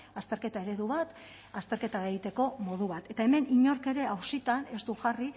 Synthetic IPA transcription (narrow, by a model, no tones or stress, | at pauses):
ast̪e̞ɾke̞t̪ae̞ɾe̞ðuβ̞at̪ | ast̪e̞ɾke̞t̪aɣeɣit̪e̞ko̞mo̞ðuβ̞at̪e̞t̪ae̞me̞niɲo̞ɾke̞ɾe̞awsit̪ane̞st̪uʝari